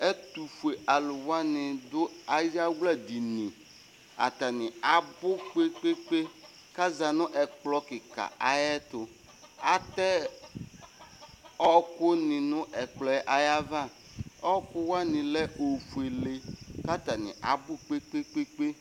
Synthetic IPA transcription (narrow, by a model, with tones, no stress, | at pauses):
ɛ˦t̪u˨fu˨e˨ʔa˨lʊ˨wa˦nɪ̃˨dʊ˦a˦ja˦wla˦di˨nĩ˨ | a̰˨t̪a˨nɪ˨a˨bʊ˦k͡pe˦k͡pe˦k͡pe˦ | ka˦za˨nʊ̃˦ʔɛ˨k͡plɔ˦kɪ˨ka̰˨a˨jɛ˦t̪ʊ˨ | a˦t̪ɛ˦ | ɔ˦kʊ˦nɪ̃˨nʊ̃˦ʔɛ˨k͡plɔ˨ɛ˦ʔa˦ja˦va˦ | ɔ˦kʊ˦wa˦nɪ̃˨lɛ˦ʔo˨fu˨e˨le˨ka˦t̪a˨nɪ̰̃˨ʔa̰˨bʊ˦k͡pe˦k͡pe˦k͡pe˦k͡pe˦